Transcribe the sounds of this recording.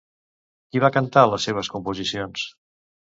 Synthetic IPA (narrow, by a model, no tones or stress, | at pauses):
kiβakənt̪aləsːeβ̞əskumpuzisions